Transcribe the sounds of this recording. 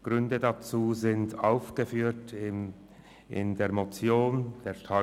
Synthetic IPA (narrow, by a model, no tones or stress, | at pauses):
ɡ̥ʁʏndədat͡suːzɪntaʊfɡ̥əfyːtɪ | ʔɪ̰ndeːɐmot͡sjoːnd̥eːɐʃtʰa